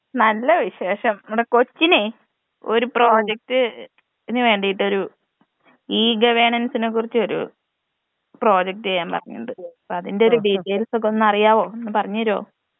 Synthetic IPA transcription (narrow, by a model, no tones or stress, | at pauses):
nɐlːɐʋiɕe̞ːʂɐmuɽeko̞t͡ɕːine | o̞ɾupro̞ːd͡ʑek̚tɨ | inːiʋe̞ːɳɖijiʈːo̞ɾu | iːɡɐʋeɳɐnsinek̬ːurit͡ɕːɨo̞ɾṵ | pro̞ːd͡ʑɐk̚tɨejaːmpɐ̰rɐɲːṵɖɨpːɐðinde̞o̞ɾuɖiʈːejlso̞k̬ːeo̞nːɐrijaːʋo̞ːenːɨpɐrɐɲːɐɾo̞̰ː